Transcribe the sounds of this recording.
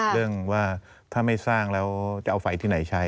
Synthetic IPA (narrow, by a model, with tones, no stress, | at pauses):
ɾɯ˥˩əŋwaː˥˩ | t̪ʰaː˥˩ma˥˩jsaː˥˩ŋlɛː˦˥wt͡ɕa˨˩ʔa˧wfa˨˩jt̪ʰiː˥˩na˩˦jt͡ɕʰa˦˥j